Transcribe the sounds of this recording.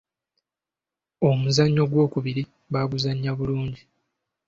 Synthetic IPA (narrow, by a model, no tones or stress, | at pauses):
o̞muzaɲːo̞ɡwo̞ːkuβiɾi | βaːβuzaɲːaβuluːɲɟi